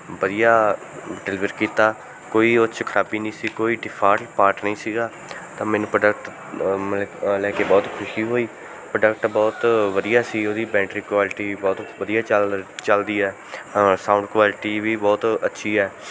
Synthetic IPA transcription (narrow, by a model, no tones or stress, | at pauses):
bəd̪ijaː | ɖɛliʋəɾkiːt̪aː | koːiːʊt͡ʃʰkʰəɾaːbiːnĩːsiːkoːiːɖɪpʰaːlpaːɾʈnəĩːsiːɡaː | t̪ãːmɛːnũːpɾɖək̚ʈ | məlɛːkeːbɔːt̪kʰʊʃiːɦoːiː | pɾəɖəkʈbɔːt̪ʋəd̪ijaːsiːoːd̪iːbɛ̃ːɳʈɾiːkwaːlʈiːbɔːt̪ʋəd̪ijaːt͡ʃt͡ʃəld̪iːɛː | sãːʊ̃ɳɖkʋaːlɪʈiːʋiːbɔːt̪ətːʃʰiːɛː